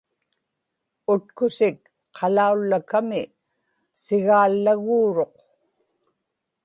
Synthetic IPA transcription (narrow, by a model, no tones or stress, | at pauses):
ʊt̪kʊsɪk | qʰɑlaulːakamɪ | sɪɣaːlːaɣuːɻo̞q